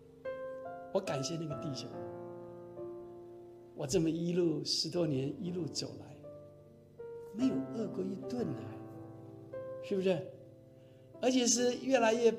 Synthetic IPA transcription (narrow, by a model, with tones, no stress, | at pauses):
wɔ˧˥ka˨˩nɕjɛ˥˧na˥˩ɡə˨t̪i˥˩ɕjʊ̰˥˩ŋ | wɔ˨˩t͡sə˥˩mə˨i˥lu˥˩ʂɻ̩˧˥t̪wɔ˥njɛ˧˥ni˥lu˥˩t͡so˨˩ʊla˧˥˦ɪ | me˧˥ɪjo˨˩ʊʔɤ˥˩kwə˥i˥t̪wə˥˨nə˨˩ | ʂɻ̩˥˩bu˧ʂɛ˥˩ | ə˞˧˥t͡ɕʰjɛ˨˩ʂ̬ɻ̩˥˧ɥɛ˥˩la˧˥ɪɥɛ˥˧